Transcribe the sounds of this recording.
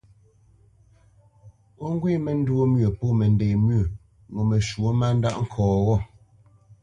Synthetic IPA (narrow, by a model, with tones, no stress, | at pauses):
o˦ŋ̩˦ɡwi˦˨mɛ˨n̩˦dwo˦mɥə˨po˦˨mɛ˨n˨de˨mɥə˦˨ | ŋo˨mɛ˨ʃwo˦ma˦n̩˦da̰˦ʔŋ̩˦kʰɔː˨ɣɔ˦˨